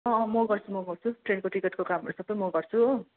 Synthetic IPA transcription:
ʌ̃mʌɡʌrt͡sʰumʌɡʌrt͡sʰuʈrenkoʈikeʈkokamɦʌɾusʌbʌjmʌɡʌrt͡sʰu

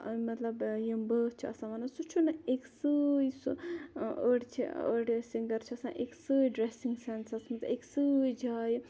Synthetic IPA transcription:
mɐt̪lɐbjimbət͡ʃʰiɐsãːʋɐnɐsut͡ʃʰunɐeksəjsu | əɽt͡ʃʰḭə̰ɽsiŋɡɐɾt͡ʃʰiɐsãʔeksəːjɖɾesiŋɡsensɐsmɐt̪ɐeksəjd͡ʒaːj

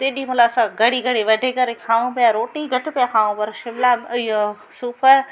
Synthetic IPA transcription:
t̪eːɗimʊlaːsãɡɐɽiɡɐɽiʋɐɖʱekɐɾekʰaːʋũpjaɾoːʈniɡɐʈpjaːkʰaːʋõpɐɾʃɪmlamjo | suːpə

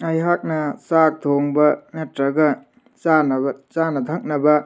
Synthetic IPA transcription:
ɐjɦak̚nɐsak̚t̪ʰoŋbɐnetɾɐɡɐ | sanɐbɐt͡ʃanɐt̪ʰɐk̚nɐbɐ

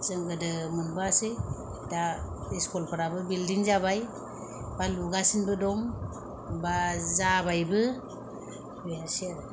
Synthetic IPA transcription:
t͡ʃɯŋɡɯdɯmɯnbasɯ | daeskɔlpʰɯɾabɯbildiŋzabaj | baluɡasinbɯdɔm | bazaβajbɯ | bese

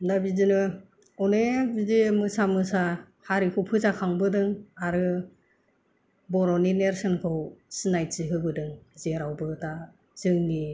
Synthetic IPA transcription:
nabizinɯ | ɔnebidimɯsamɯsa | haɾikʰɯwpʰɯzakʰaŋbɯdɯŋaɾɯ | bɔɾɔnineɾsɯnkʰɯwsinajt͡ʃiɦɯbɯdɯŋzeɾawbɯta | z̥ɯŋni

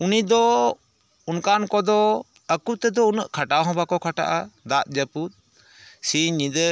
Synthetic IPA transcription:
unid̪ɔ | unkankɔd̪ɔ | əkut̪ɛd̪ɔunəʔkʰaʈawɦɔ̃bakɔkʰaʈa̰ʔad̪aʔ̪̚d͡ʒəput̪̚ | siɲid̪ə

